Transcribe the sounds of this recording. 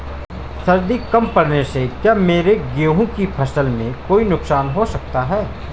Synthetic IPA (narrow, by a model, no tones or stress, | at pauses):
sɐɾd̪ikɐmpɐɽnesekjaːmeːɾeɡoːɦũkipʰɐsəlmẽkoːinʊksaːnɦosɐk̚t̪aɦɛː